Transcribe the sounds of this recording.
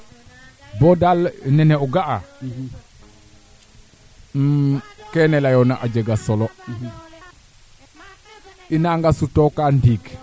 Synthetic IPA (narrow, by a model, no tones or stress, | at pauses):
bɔdalnɛneuɡaa | kɛnelajonaʔaɟeɡasolo | inaŋɡasutokandiːɡ